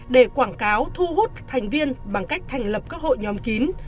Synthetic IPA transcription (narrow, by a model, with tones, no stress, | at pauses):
ɗe˧˩kwaː˧˩ŋkaː˨˦wt̪ʰu˧ɦu˦˥t̚t̪ʰa˨˩jŋ̟vi˧ənɓa˨˧˩ŋka˦˥jk̟̚t̪ʰɛ˨˩jŋ̟lə˨˩p̚kaː˦˥k̚ho̰˧˨jɲɔ˨˦mki˨˦n